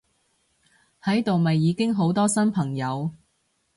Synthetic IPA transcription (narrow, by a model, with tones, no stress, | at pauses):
hɐ˨˥jt̪o˨wmɐ˨jːiː˨˧kɪ˥ŋɦo˨˥wt̪ɔː˥sɐ˥npʰɐ˨˩ŋjɐ˨˧w